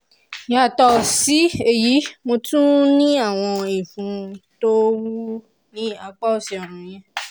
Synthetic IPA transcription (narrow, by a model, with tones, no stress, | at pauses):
ja˨tɔ˨si˨˦e˦˨ji˨˦mo˧tũ˦nĩ˦a˦˨w̃ɔ̃˧i˨fũ˨˦to˦wu˦ | nĩ˦a˧k͡pa˦o˦˨sɛ˧˨ɔ˨ɾ̃ũ˨˦j̃ɛ̃˧